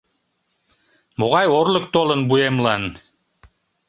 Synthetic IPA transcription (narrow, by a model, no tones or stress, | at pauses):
muʁɑjɔɾlˠɤk̚t̪ɔlˠɤnbujɛmlˠan